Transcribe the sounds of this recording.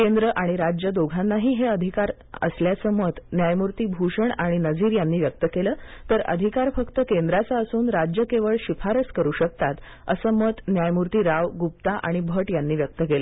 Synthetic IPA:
kend̪ɾəʔaɽ̃iɾad͡ʑjəd̪oɡʱanːaɦiːɦeəd̪ʱikaɾ | ə̰sljat͡səmət̪njajmuɾt̪iːbʱuʂəɳaɽ̃inəd͡ziːɾjanːiːʋjək̚t̪əkeləːt̪əɾə̰d̪ʱikaɾfəkt̪əkend̪ɾat͡saəsuːnɾad͡ʑjəkeʋəɭɕifʰaɾəskəɾuːɕək̚t̪at̪ | ə̰səːmət̪njajmuɾt̪iːɾaʋɡup̚t̪aʔa̰ɽ̃ibʱəʈjanːiːʋjək̚t̪əkeləː

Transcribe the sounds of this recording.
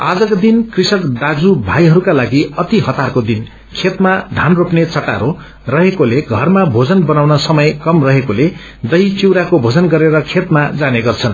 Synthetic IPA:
ad͡zʌkod̪inkrisʌkd̪ad͡zubʱajɦʌɾukalaɡiʌt̪iɦʌt̪arkod̪in | kʰet̪maɖʱanropnet͡sʌʈa̰ɾo | rʌɦekoleɡʱʌrmabʱod͡zʌnbʌnawnʌsʌmʌjkʌmrʌɦekole | d̪ʌit͡siwɾakobʱod͡zʌnɡʌɾeɾʌkʰet̪mad͡zaneɡʌrt͡sʰʌn

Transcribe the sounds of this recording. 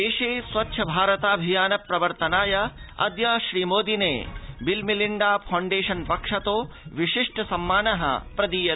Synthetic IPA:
eːʃeːsʋɐtːʃʰɐbʱaːɾɐt̪aːbʱijaːnɐpɾɐʋɐɾt̪ɐnaːjɐɐ̰d̪jɐʃɾiːmoːd̪inḛːbilmiliɳɖaːpʰɐwɳɖeːʃɐnpɐkʂɐt̪oːʋiʃiʂʈʰɐsɐmːaːnɐɦɐ̰pɾɐd̪iːjɐ

